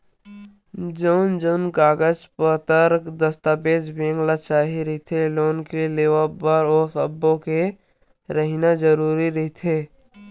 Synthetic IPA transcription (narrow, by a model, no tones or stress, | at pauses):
d͡ʒoʊnd͡ʒonɡaːɡəd͡ʒpət̪əɾkd̪əst̪aːpeːd͡ʒbẽːŋɡlat͡ʃaːɦiɾəit̪ʰeloːnkeleːʋabəɾoːsəbːõke | ɾəɦinad͡ʒəɾuːɾiɾəɦit̪ʰeː